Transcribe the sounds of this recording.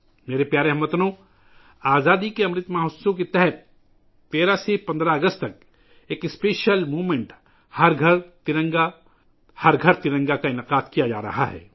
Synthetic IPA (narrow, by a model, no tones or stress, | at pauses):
meːɾepjaːɾeɦɐmət̪nõ | aːzaːd̪ikeɐmɾɪt̪maːɦʊsõk̬et̪ɛɦɛt̪̚ː | eːɾasepɐ̃nd̪ɾaɐɡəst̪̚t̪ɐk̚ | eːkɪspeːʃəlmuːʋmẽɳʈ | hɐɾɡʱɐɾt̪ɪɾə̃ŋɡa | hɐɾɡʱɐɾt̪ɪɾə̃ŋɡakaɪnɪqaːd̪kijad͡ʒa̰ːɾɐ̰ɦa̰ɦɛ̰ː